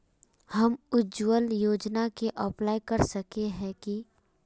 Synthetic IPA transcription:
hɐmʊd͡ʒwəljoːd͡ʒnakeʔɔplaːikɐɾsɐkeɦɛ̃ki

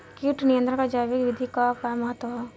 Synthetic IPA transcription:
kjuʈnijə̃nd̪ɾə̃kad͡ʒaːʋikʋɪd̪ʱikakamɐɦət̪ːwəa

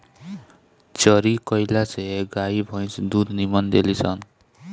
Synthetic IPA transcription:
t͡ʃʌɾikʌjlaseɡaibʱʌ̃j̃sd̪ud̪nimʌnd̪elit͡sʰʌn

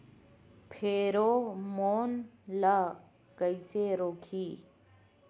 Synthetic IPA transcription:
pʰeːɾoːmoːnla | kəiseɾoːkʰiː

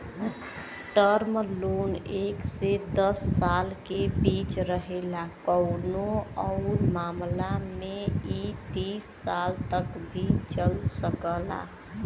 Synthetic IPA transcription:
ʈəɾmloneksed̪əsːalkebit͡ʃɾəɦelakəʊnoəʊɾmamlameit̪isːalt̪əkbʱit͡ʃəlsəkəla̰

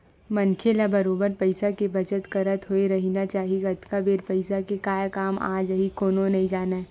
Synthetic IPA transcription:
mɐnkʰelabɐɾoːbəɾpɐɪsakebɐt͡ʃət̪kɐɾət̪ɦoeɾɐɦinat͡ʃaːɦieɡɐt̪kabeːɾpɐɪsakekaːjkaːma̰ːd͡ʒəɦikoːnõnɐɦĩd͡ʒaːna

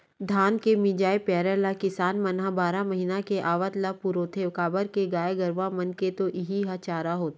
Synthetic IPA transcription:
d̪ʱaːnkemɪd͡ʒaːepɛːɾəlakɪsaːnmɐnɦãbaːɾamɐɦiːnakeʔaːʋət̪lapuɾoːt̪ʰeʋkaːbəɾkeɡaːeɡɐɾʋãmɐnket̪oʔɪɦiɦat͡ʃaːɾaɦoːt̪

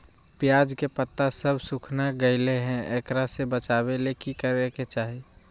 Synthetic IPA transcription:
pjaːd͡ʒkepət̪ːasəbsukʰnaɡəɪleɦɛ̃ekɾasebət͡ʃaːbelekikəɾeket͡ʃaːɦi

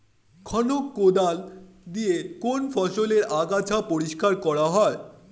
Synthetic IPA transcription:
kʰɔnokːod̪al | d̪iekonfʰɔʃoleɾaɡat͡ɕʰapoɾiʃkaɾkɔɾaɦɔe

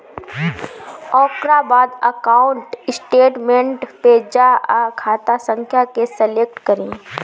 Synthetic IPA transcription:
ɔːkɾabaːd̪əkaːʊɳʈɪsʈeːʈmẽʈpeːd͡ʒaakʰaːt̪asə̃ŋkʰjakesəleːk̚ʈkɐɾẽː

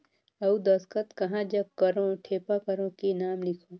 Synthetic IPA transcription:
ɐud̪ɐskət̪kɐɦãd͡ʒɐb̚kɐɾõʈʰeːpakɐɾõkinaːmlɪkʰoː

